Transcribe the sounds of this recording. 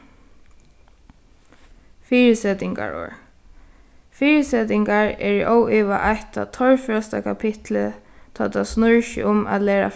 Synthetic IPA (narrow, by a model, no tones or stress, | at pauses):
fiːɹɪsɛt̪ɪŋka̰ɹo̰ːɹ | fiːɹɪsɛt̪ɪŋkaɹɛɹiʔowiːʋaʔajt̪a̰t̪ʰɔɹfœst̪a̰kʰapʰɪt̪lə | t̪ʰɔːt̪asnʊɹʃə̰ʊma̰t̪leːɹa̰